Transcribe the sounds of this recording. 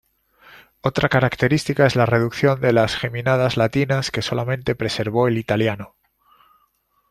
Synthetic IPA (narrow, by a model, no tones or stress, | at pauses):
o̞t̪ɾakaɾakt̪e̞ɾist̪ikae̞zlare̞ðukθjo̞nd̪e̞lasxe̞mĩnað̞azlat̪inaske̞so̞lamẽnt̪e̞pɾe̞se̞ɾβo̞e̞lit̪aljano